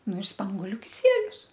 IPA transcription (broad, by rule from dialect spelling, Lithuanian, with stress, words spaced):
ˈnʊ ɪr ˈspɐŋɡoːlʲʊ kʲɪˈsʲiɛlʲʊs